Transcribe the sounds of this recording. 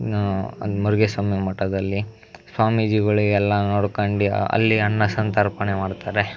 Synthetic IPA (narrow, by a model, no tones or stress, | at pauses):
muɾɡesɐmjɐmɐʈːɐd̪ɐlːi | swaːmid͡ʒiɡɐɭiɡeɛlːɐnoːɽkɐɳɖiɐ̰lːiɐnːɐsɐnt̪ɐɾpɐnemaːɖt̪aːɾe